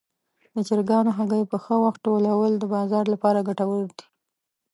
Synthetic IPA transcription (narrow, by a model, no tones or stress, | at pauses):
d̪ət͡ʃɪɾɡɑnoɦaɡəjpəxəwaxt̪̚ʈolawəld̪əbɑzɑɾlapɑɾaɡaʈawəɽd̪i